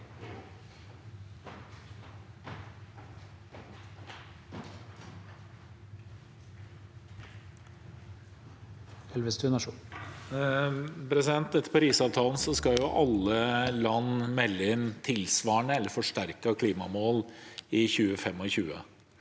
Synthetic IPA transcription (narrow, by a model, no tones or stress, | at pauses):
ɛlʋəst̪ʰʉnɑʂu | pʰɾɛsɪd̪ɛnt̪ɛt̪ːəɾpɔɾiːsɑːʋt̪ʰɑːln̩sɔskɑjʊʔɑlːəlɑnːmɛlːəɪnt̪ʰɪlsʋɑːɳəɛlːəɾfɔʂʈæɾkəkʰliːmɑmoːlɪçʉːəfɛmːɔçʉːə̰